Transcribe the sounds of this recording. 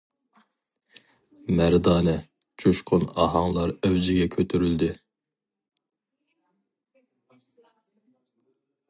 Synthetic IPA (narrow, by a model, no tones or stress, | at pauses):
mæɾd̪ɑːnɛ | t͡ʃʰuʃqʰʊnɑ̰ɦɑŋlˠɑɾøwd͡ʒɪɡʲɛkʲʰøt̪ʰyɾyld̪ɪ